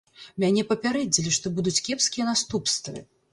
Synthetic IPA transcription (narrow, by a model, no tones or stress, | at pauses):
mʲanʲɛpɐpʲaɾɛd͡zʲilʲiʂt̪ɔbud̪ut͡sʲkʲɛpskʲijɐnast̪upst̪vɨ̰